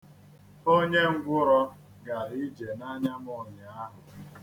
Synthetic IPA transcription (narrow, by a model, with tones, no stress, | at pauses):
o˦ɲe˦ŋ̩˦ɡʷʊ˦ɾɔ˦ | ɡa˨ɪ˦d͡ʒe˨na˦ɲa˦mɔ˨ɲ˨a˦ɦʊ˨